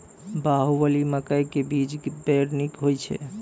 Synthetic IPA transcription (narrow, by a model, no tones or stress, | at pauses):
baɦubəliməkəjkebid͡ʒbeɾnikɦojt͡ʃʰɛ̰